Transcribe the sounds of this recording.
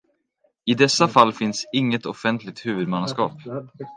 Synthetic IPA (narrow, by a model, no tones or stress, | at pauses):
ɪd̪ɛsːafalːfɪnsɪŋːət̪ɔfɛnt̪lɪk̚t̪hʉ̟ːvɵd̪manskɑ̰ːp